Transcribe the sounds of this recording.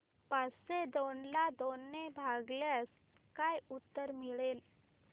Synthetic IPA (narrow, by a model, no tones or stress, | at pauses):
pased̪onlad̪onːebʱaɡlas | kajut̪ːəɾmiɭel